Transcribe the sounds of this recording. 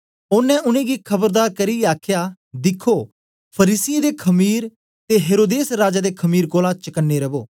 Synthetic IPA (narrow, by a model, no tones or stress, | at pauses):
ʊnːɛ̃ʔʊnẽɡikʰɐbəɾd̪aːɾkɐɾieaːkʰja | d̪ɪkʰːoː | pʰɐɾiːsɪjẽd̪ekʰɐmiːɾ | t̪eɦeːɾoːd̪eːsɾaːd͡ʒad̪ekʰɐmiːɾkoːlãt͡ʃɐkənːeɾɐboː